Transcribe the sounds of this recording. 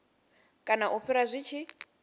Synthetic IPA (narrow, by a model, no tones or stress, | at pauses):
kʼanaʔuɸʰiɾazʷit͡ʃʰi